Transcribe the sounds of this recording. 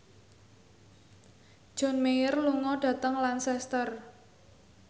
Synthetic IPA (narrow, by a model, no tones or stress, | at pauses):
d̥ʒ̥ɔ̤nmejərluŋɔɖ̥ä̤t̪əŋlansɛst̪ər